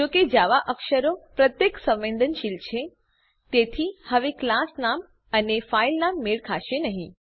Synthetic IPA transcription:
d͡ʒoked͡ʒaʋaʔəkʃəɾopɾət̪jeksə̃ʋʋẽnd̪ənʃilt͡ʃʰe | t̪et̪ʰihəʋeklasnam | ənefailnamːeɭkʰaʃenəɦĩ

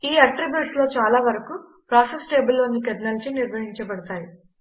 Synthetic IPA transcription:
iːɐʈɾibjuːʈslo̞ːt͡ʃaːlaːʋɐɾɐku | pɾaːsesʈeːbulːoːnːikɐd̪nɐlɐt͡ʃiniɾʋɐɦiɲt͡ʃɐbɐɽɐt̪aːji

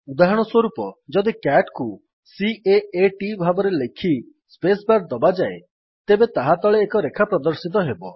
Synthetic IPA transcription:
ud̪aɦɔɽ̃ɔswɔɾupɔd͡ʒɔd̪ikɛʈku | siʔeeʈibʱabɔɾelekʰi | spesbaɾd̪ɔbad͡ʒae | t̪ebet̪aɦat̪ɔɭeːkɔɾekʰapɾɔd̪ɔɾsit̪̬ɔɦebɔ

